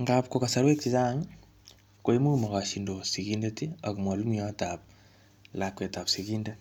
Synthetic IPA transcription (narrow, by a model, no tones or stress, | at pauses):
ŋɡapkokasaɾwekizaŋ | koimumaɣaʃindosiɣindatiakumwalumiatap̚ | lakwetapsiɣinda